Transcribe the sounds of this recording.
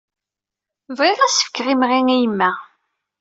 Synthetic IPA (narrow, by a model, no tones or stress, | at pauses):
vʁɪʁæsə̥fə̥kːʁimʁiŋijəmːæ